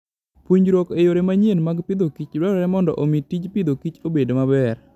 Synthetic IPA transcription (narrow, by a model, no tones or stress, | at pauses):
pwuɲɾwokejoɾemaɲjenmaɡpɪd̪okit͡ʃɾɔɾɔɾɛmɔndɔ̰ʔomitid͡ʒpɪd̪okit͡ʃobedomabɛr